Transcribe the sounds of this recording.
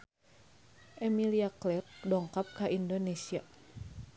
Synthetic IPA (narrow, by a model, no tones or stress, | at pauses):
ʔemiliaklɛt̚dɔŋkap̚kaʔindonesia